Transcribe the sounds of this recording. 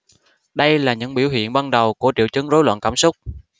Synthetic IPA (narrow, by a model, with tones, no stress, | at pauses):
ɗə˧jlaː˨˩ɲɨ̰˧˥ŋɓi˧˩əwɦḭ˧˨ənɓa˧nɗə˨˩wku˧˩ət͡ɕi˧˨wt͡ɕɨ˨˦ŋzo˨˦jlwə̰˧˨nkaː˧˩msʊ˦˥k͡p̚